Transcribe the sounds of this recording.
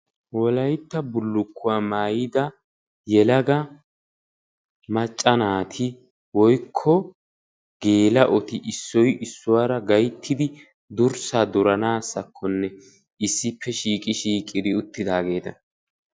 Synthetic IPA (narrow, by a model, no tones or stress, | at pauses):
wɔlɐjt̪ːɐbʊlːʊkʰːʊwaːmaːjɪd̪ɐ | jɛlɐɡɐ | mɐt͡ʃʼːɐnaːt̪ʰɪ | wɔjkʰːɔ | ɡ̥e̞ːlɐʔɔt̪ɪʔɪsːɔjɪsːʊwaːɾɐɡɐjt̪ʰːɪd̪ɪ | d̪ʊɾsaːd̪ʊɾɐnaːsɐkʰːɔnːɛ | ɪsːɪpːɛʃiːkʼɪʃiːkʼɪd̪ɪʊt̪ːɪd̪aːɡe̞ːt̪ɐ